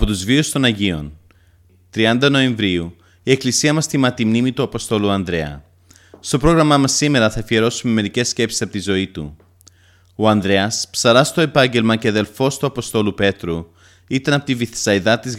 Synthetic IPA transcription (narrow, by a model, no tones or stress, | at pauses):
pot̪uzviust̪o̞nɐʝio̞̰n | t̪ɾiɐnd̪ɐno̞e̞ɱvɾiu | ie̞klisiɐmɐst̪imɐt̪imnimit̪uɐpo̞st̪o̞luɐnd̪ɾe̞ɐ̰ | st̪o̞pɾo̞ɣɾɐmɐmɐsime̞ɾɐθɐfie̞ɾo̞sume̞me̞ɾice̞sce̞psi̥sɐpo̞t̪izo̞it̪ṵ | o̞ɐnd̪ɾe̞ɐspsɐɾɐst̪o̞e̞pɐɲɟe̞lmɐceɐðe̞lfo̞st̪uɐpo̞st̪o̞lupe̞t̪ɾu | it̪ɐnɐpot̪iviθsɐiðɐt̪iz